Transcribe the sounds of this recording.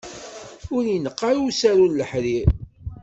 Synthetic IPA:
ʊɾinəqːaɾusæɾuləħɾiɾ

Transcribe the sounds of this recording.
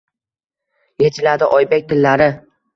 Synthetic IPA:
jet͡ʃʰɪlad̪ɪʔɒjbek̚ʲt̪ʰɪlːaɾɪ

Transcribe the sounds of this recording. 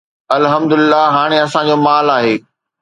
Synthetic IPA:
ɐlɦɐmd̪ʊlɪlːaɦaːɽ̃eɐsãd͡ʑoːmaːlaːɦeː

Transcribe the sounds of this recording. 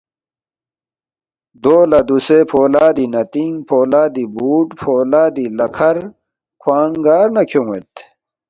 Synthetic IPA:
d̪oːlɐd̪usepʰoːlaːd̪inɐt̪iŋpʰoːlaːd̪ibuːʈpʰoːlaːd̪ilɐkʰɐɾ | kʰwaːŋɡaːɾnɐkʰjõːḛt̪

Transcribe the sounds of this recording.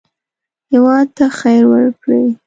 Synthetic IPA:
hɪwɑd̪̚t̪axajɾwəɾkɽa̰wi

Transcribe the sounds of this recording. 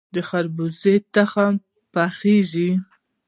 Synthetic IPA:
d̪əxaɾbuzet̪axam | paxeʒi

